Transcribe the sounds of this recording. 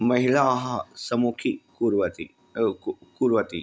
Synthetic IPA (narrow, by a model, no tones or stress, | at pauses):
mɐɦilaɦɐsɐmukʰikuɾʋɐt̪i | kuɾʋɐt̪ḭ